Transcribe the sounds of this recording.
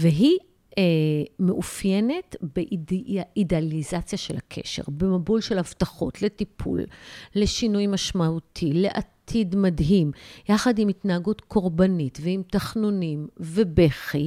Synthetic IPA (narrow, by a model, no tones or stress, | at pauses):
veɦi | emeʔufjene̞tbeʔidealizat͡sjaʃelakʰḛʃe̞̰ʁbemabulʃelhavtaχo̞̰tle̞tipʰṵlːe̞ʃinujmaʃmautʰile̞ʔatʰidmadɦimjaχadimitnaɦaɡutko̞ʁbanitveimtaχnunimvebeχi